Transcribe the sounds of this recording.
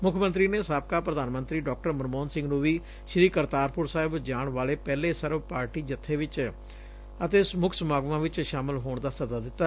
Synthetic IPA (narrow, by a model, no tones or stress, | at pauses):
mʊkʰmə̃nt̪ɾiːneːsaːp̚kaːpɾəd̪aːnmənt̪ɾiːɖɔːk̚ʈəɾməɾmoːnsɪ̃ŋɡnũːʋiː | ʃɾiːkəɾt̪aːɾpʊɾsaːɦɪbd͡ʒaːɳʋaːleːpɛːleːsəɾʋpaːɾʈiːd͡ʒət̪ʰːeːʋɪt͡ʃ | ət̪eːsmʊkʰsəmaːɡʋãːʋɪt͡ʃʃaːmɪlɦoːɳd̪aːsəd̪aːd̪ɪt̪ːaː